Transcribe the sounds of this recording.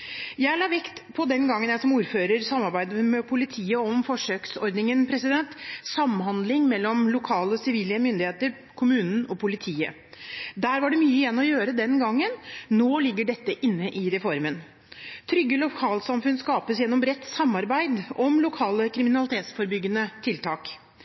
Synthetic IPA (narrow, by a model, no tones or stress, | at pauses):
jæɪlɑːʋɛkt̪pʰɔd̪ɛnɡɑŋːənjæɪsɔmuːɾføːɾəɾsɑmːɑɾbæɪd̪mɛpʰʊlɪt̪ʰiːəɔmfɔʂøːksɔɾd̪nɪŋənpʰɾɛsɪd̪ɛnt̪sɑmhɦɑnd̪lɪŋmɛlːɔmlʊkʰɑːləɔsɪʋiːljəmʏnd̪ɪheːt̪əɾ | kʰʊmʉːnn̩ɔpʰʊlɪt̪ʰiːə̰ | d̪æːɾʋɑɖɛmyːəɪjɛnːɔjøːɾəd̪ɛnɡɑŋːənnoːlɪɡːəɖɛt̪ːəʔɪnːəʔɪɾɛfɔɾmən | t̪ʰɾʏɡːəlɔkʰɑːlsɑmfʉnskɑːpəsjɛnːɔmbɾɛt̪ːsɑmːɑɾbæɪd̪ɔmlʊkʰɑːləkʰɾɪmɪnɑlɪt̪ʰeːt̪sfɔɾbʏɡːənət̪ʰɪlt̪ʰɑːk